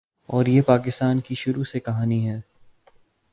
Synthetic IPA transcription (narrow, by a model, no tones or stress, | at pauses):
ɔːɾjepaːkɪst̪aːnkiʃʊɾusekɐɦaːniɦɛː